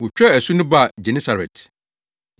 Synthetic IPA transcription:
wʊ˨t͡ɕᶣɛ˦æ˨su˦nʊ̃˦ba˦˨d͡ʑɛ˨nĩ˦sa˨ɾɛ̰˨t

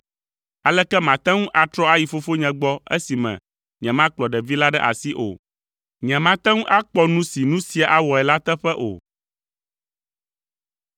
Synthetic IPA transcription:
a˨lɛ˦kɛ˦mã˨t̪ɛ̃˦ŋũ˦ʔa˨t̪ɾɔ˦a˦ji˨fo˦fo˦ɲɛ̃˨ɡ͡bɔ˦ɛ̰˦si˨mɛ̰̃˨ | ɲɛ̃˨mã˦k͡plɔ˨ɖɛ˨vi˦la˦ɖɛ˦ʔa̰˨si˦ʔo̰˨ | ɲɛ̃˨mã˦t̪ɛ̃˦ŋũ˦ʔa˦k͡pɔ˦nũ˦si˨nũ˦si˦a˨ʔa˦wɔ˨ɛ˨la˦t̪ɛ˦ɸɛ˦ʔo̰˨

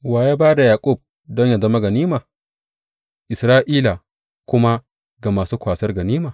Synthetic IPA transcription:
waː˨jaː˦baː˦da˨jaː˨kʷʼʊ˦˨b̚ | dɔ˦ɲja˨zɐ˦ma˦ɡɐ˨niː˦maː˨ | ʔɪ˨sɾaː˦ʔiː˦la˨ | kʷʊ˦ma˦ | ɡa˨maː˨suː˦kʷaː˨sɐ˦rɡɐ˨niː˦maː˨

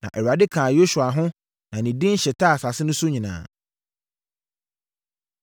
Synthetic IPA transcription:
nã̰˨ʔɛ˨wɥa˨dɪ˦kʰãː˨jo˦su˨a˨ɦʊ̃˦ | nã˨nĩ˨dɪ̃˦n̩˦ɕɛ˨tʰa˦˨sa˨sɪ˦nʊ̃˦sʊ˦ɲĩ˨nã̰ː˨

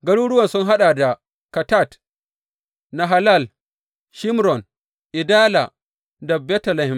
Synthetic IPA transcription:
ɡɐ˦ɽuː˦ɽʊ˦wɐ˨sʊ˦ŋɦa˦ɗa˨da˨ | ka˨ta˦˨t | na˨ɦa˨la˦˨l | ʃɪ˦mɾɔ˨n | ʔɪ˨daː˦la˨ | da˨bɛ˦tɐ˨la˨hɪ˨m

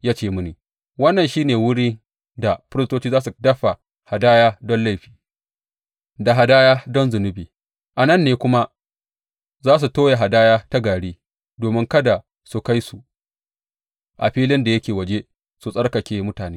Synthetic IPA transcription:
jaː˦t͡ʃeː˦˨mʊ˦niː˨ | wɐ˦nːɐ˨nʃiː˦neː˨wʊ˦ɽiː˦ | da˨ɸɪ˦ɾɪ˦stoː˦t͡ʃiː˦zaː˦s̬u˨dɐ˦ɸa˨ | ha˨daː˦jaː˦dɔ˦nla˦jɸi̥ː˨ | da˨ɦa˨daː˦jaː˦dɔ˦nzʊ˨nʊ˦biː˨ | ʔa˨nɐ˦˨nːeː˦kʷʊ˦ma˦ | zaː˦s̬u˨toː˦ja˨ɦa˨daː˦jaː˦ta˦ɡaː˨ɽiː˦ | doː˨mɪ˦ŋkɐ˦da˨ | su˨ka˦jsu˨ | ʔa̰˨ɸiː˦lɪ˦nda˨jɐ˦kʲeː˨wɐ˨d͡ʒe˦ | su˨sʼɐ˦ɽkɐ˨kʲeː˨mʊ˦taː˨neː˦

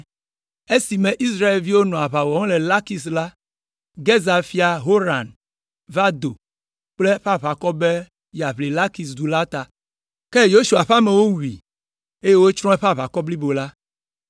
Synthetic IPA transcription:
e˦si˨mẽ˨ʔi˦sɾa˦e˨lvi˦wo˦nɔ̃˨a˨βa˨wɔ˨ŋ̃˦le˨la˦ki˨sla˦ | ɡe˦za˨fi˦a˨ɦo˦ɾa˨n | va˦d̪o˨ | k͡ple˦ɸa˦βa˨kɔ˦be˦ | ja˨βli˨la˦ki˨s̬d̪u˨la˦t̪a˨ | ke˦jo˦ʃu˨a˨ɸa˦mẽ˨wo˦wu˨i˨ | e˦je˦wo˦t͡ʃɾ̃ɔ̃˦e˦ɸa˦βa˨kɔ˦bli˦bo˨la˦

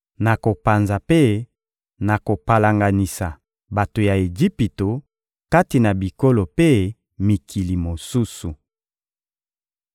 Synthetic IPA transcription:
na˨ko˨pa˨nza˨pe˦ | na˨ko˨pa˨la˨ŋɡa˨ni˨sa˨ | ba˨to˨ja˨e˨d͡ʒi˦pi˨to˨ | ka˦ti˨na˨bi˨ko˦lo˨pe˦ | mi˨kʰi˨li˨mo˨su˦su˨

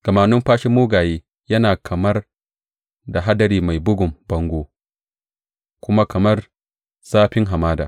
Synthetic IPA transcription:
ɡ̥ɐ˨maː˨nʊ˦mɸaː˦ʃɪ˦mːuː˦ɡaː˨jeː˦ | jɐ˦naː˨kʰɐ˨mɐ˦r | da˨ɦa˦dɐ˨ɾiː˨ma˨jbʊ˦ɡʊ˨mbɐ˦ŋɡʷoː˦ | kʷʊ˦ma˦kɐ˨mɐ˦r | saː˦ɸɪ˦ŋɦa˨maː˦da̰ː˨

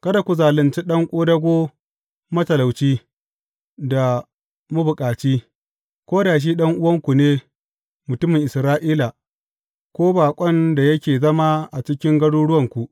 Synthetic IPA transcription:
kɐ˦da˨kʷu˨zaː˨lɪ˨nt͡ʃi˦ɗɐ˦ŋkʷʼoː˦dɐ˦ɡʷoː˦ | mɐ˦tɐ˨la˨wt͡ʃiː˦ | da˨ | mʊ˦bʊ˨kʼaː˨t͡ʃiː˦ | kʷoː˦daː˨ʃ̬iː˦ɗɐ˦ŋʔʊ˦wɐ˦ŋkʷu˨neː˦ | mʊ˨tʊ˦mɪ˨ŋʔɪ˨sɾaː˦ʔiː˦la˨ | kʷoː˦baː˨kʷʼɐ˦nda˨jɐ˦kʲeː˨zɐ˦ma˦ʔa˨t͡ʃɪ˦kʲɪ˦ŋɡɐ˦ɽuː˦ɽʊ˦wɐ˨ŋkʷu˨ʔ

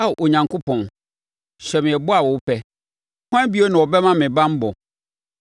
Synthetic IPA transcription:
a˦˨ʔo˨ɲã˨ŋko˦pʰɔ̃˨n | ɕᶣɛ˨mɪ̃˨ɛ˨bɔ˦a˨wɔ˨wʊ˦pʰɛ˦ | kã˦bi˦o˦nã˨wɔ˨bɛ˦mã˦mɪ̃˨bã˦m˦bɔ˨

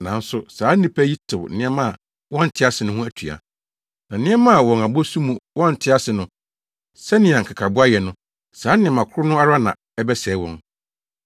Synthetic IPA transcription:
nã˨n̩˦sʊ˨saː˨˦nĩ˦pʰæ˦ji˦tʰɪ˨wn̩˦nɪ̃˦ɛ˦mã˦˨ | wɔ̃˦n̩˨tʰɪ˦a˦sɪ˨nʊ̃˦hũ˦æ˦˨tʰɥa̰˨ | nã˨nɪ̃˦ɛ˦mã˦a˨wɔ̃˨na˨bɔ˦su˦mũ˨wɔ̃˦n̩˨tʰɪ˦a˦sɪ˨nʊ̃˦ | sɛ˦nɪ̃˨ã˨ŋ̩˨kʰa˨kʰa˨bʊ˦a˦jɛ˨nʊ̃˦ | saː˨˦nɪ̃˨ɛ˨mã˨kʰʊ˦ʊ˦nʊ̃˦a˦ɾa˦nã̰˨ | ɛ˦bɛ˦sɛ˨˦wɔ̰̃˦n

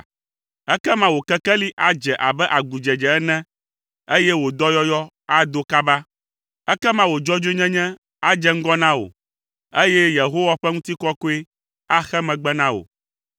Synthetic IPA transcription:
ɛ˦kɛ˦mã˦wo˨kɛ˦kɛ˦li˦ʔa˨d͡ʒɛ˨ʔa˨bɛ˦ʔa˨ɡu˨d͡ʒɛ˨d͡ʒɛ˨ɛ˦nɛ̃˦ | e˦jɛ˦wo˨d̪ɔ˦jɔ˦jɔ˦ | a˨d̪o˦ka˦ba˦ | ɛ˦kɛ˦mã˦wo˨d͡ʒɔ˦d͡ʒo˦ɲɛ̃˦ɲɛ̃˦ | a˦d͡ʒɛ˦ŋ̩˦ɡɔ˦nã˦wo̰˨ | e˦jɛ˦je˨ɦo˦wa˦ɸɛ˦ŋũ˦t̪i˦kɔ˦ko˦e˦ | a˦xɛ˦mɛ̃˨ɡ͡bɛ˦nã˦wo̰˨

